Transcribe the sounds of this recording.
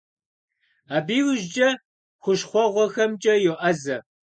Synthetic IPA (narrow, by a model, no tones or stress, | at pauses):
aːbiːwʒd͡ʒʼɐ | χʷʊʃχʷɔʁʷɔxɐmt͡ʃʼɐjoʔɐzɐ